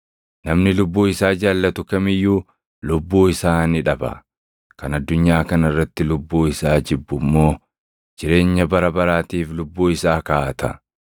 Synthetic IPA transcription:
nɐmnɪlʊbːuːɪsaːd͡ʒaːlːɐt̪ʊkɐmɪjːuː | lʊbːuːɪsaːnɪᶑɐbɐ̰ | kɐnɐd̪ːʊɲːaːkɐnɪrːɐt̪ːɪlʊbːuːɪsaːd͡ʒɪbːʊmːo̞ː | d͡ʒɪɾe̞ːɲːɐbɐɾɐbɐɾaːt̪iːflʊbːuːɪsaːkaːt̪ʰɐ

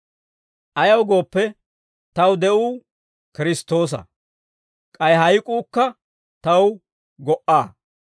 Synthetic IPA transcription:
ʔɐjɐwɡo̞ːpːɛ | t̪ɐwd̪ɛʔuː | kɪɾɪst̪ːo̞ːs̬ɐ̰ | kʼɐjɦɐjkʼuːkːɐ | t̪ɐw | ɡɔʔaː

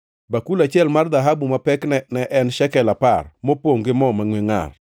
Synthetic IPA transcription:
bakulat͡ʃɪɛlmard̪aɦabumapɛknɛnɛʔɛnʃɛkɛlaparmopoŋɡɪmɔmaŋwiŋa̰r

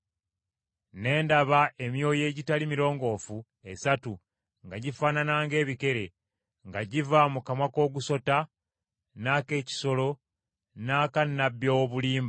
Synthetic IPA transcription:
ne̞ːndaβaʔe̞mjo̞ːje̞ːɟitalimiɾo̞ːŋɡo̞ːfu | e̞satu | ŋɡaɟifaːnanaːŋɡe̞ːβike̞ɾe̞ | ŋɡaɟivamukamwako̞ːɡuso̞ta | naːke̞ːci̥so̞lo̞ | naːkanːabːjo̞βuliːmba

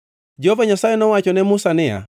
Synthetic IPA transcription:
d͡ʒɛhɔvaɲasaɛnɔwat͡ʃɔnɛmusanɛa̰

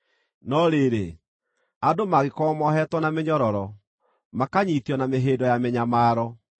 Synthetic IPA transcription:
nɔɾeɾe | adomaɣekɔmɔɦɛtwɔnameɲɔɾɔɾɔ | makaɲitjɔnameɦeːdɔjamɛɲamaːɾɔ

